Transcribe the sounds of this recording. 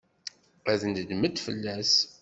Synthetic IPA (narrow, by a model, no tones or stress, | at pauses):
æθənd̪d̪mət̪fə̰lːæs